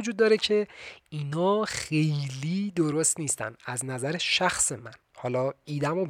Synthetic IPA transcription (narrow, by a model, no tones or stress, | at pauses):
od͡ʒud̪ːɒːɾecʰe̞inɒːxe̞jliːd̪oɾost̪niːst̪æ̰næznæzæɾeʃæxse̞mæn | hɒːlɒːiːd̪æmo